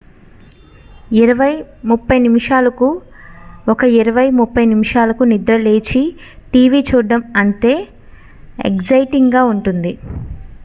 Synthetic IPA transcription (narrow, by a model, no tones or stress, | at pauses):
iɾɐʋɐjmupːɐjnimiʂaːlɐku | ɔkɐiɾɐʋɐjmupːɐjnimiʂaːlɐkunid̪ɾɐle̞ːt͡ʃi | ʈiːʋit͡ʃuːɖɐmɐnt̪e̞ː | ḛkzɐjʈiŋɡaːuɳʈund̪i